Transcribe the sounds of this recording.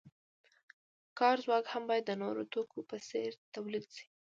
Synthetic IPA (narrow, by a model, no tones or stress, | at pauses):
kɑɾzwɑkhambɑjad̪ːənoɾo̰t̪okʰopəseɾt̪awlid̪si̥